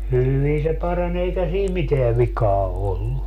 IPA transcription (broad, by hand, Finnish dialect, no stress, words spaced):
hyʋi se pɑrɑnʲ eikæ siː miteæ ʋikɑː olːu